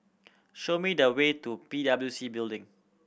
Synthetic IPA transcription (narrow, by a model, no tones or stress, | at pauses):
ʃomidəwetupidabəljusibildɪ̃ŋ